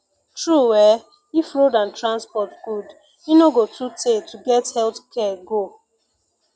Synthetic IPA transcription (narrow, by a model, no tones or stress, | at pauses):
tɹuwɛ | ifɹodãntɹãnspɔtɡud | inoɡotʰutʰetʰuɡɛthɛltkʰɛɡo